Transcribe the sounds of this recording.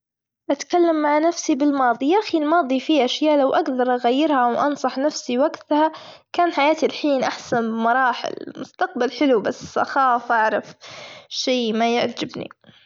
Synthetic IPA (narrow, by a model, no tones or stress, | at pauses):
ʔat̪kalːamːaʕnafsibɪlmɑːðˤijaʔxilmɑːðˤifiʔaʃjaːʔlawʔaɡd̪ɑɾˤʔaɣajːɪɾhawʔɑnsˤɑħnafsiwaɡt̪ha | kaːnħajaːt̪ilħiːnʔaħsanbɪmɑɾˤɑːħɪ̰lmʊst̪aq̚balħɪlubasʔa̰xaːfʔaʕɾˤɑfʃeːmajɪʕd͡ʒɪbnḭ